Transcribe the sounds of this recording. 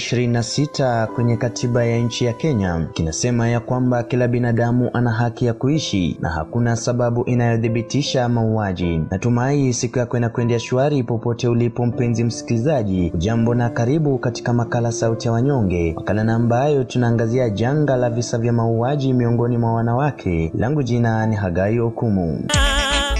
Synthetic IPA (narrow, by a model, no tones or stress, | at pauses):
ʃiɾininasitakwɛɲɛkatʰiɓajaɲ̩t͡ʃijakɛɲakinasɛmajakwambakilaɓinaɗamuʔanaɦakijakuiʃḭnʔa̰ha̰kunasaɓaɓuʔinajɔðiɓitiʃamauaʄinatumaisikujakwɛnakwɛndiaʃuaɾipɔpɔtɛulipɔm̩pɛnzim̩si̥kilizaʄiuʄambɔnakaɾiɓukati̥kamakalasautijawaɲɔŋɡɛwa̰kalanaːmbajɔtunaːŋɡaziaʄaŋɡalavisavjamauaʄimiɔŋɡɔnimwawanawakʰɛlaŋɡuʄinaniɦaɡaiɔkumṵ